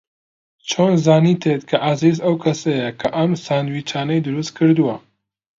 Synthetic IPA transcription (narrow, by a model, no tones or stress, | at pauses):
t͡ʃʰoːnzaːnit̪ʰet̪kʰɐʔazizɐwkʰɐsɐjɐkʰɐʔɐmsaːnwit͡ʃʰaːnɐjd̪ɨɾust̪̚kʰɨɾd̪uwɐ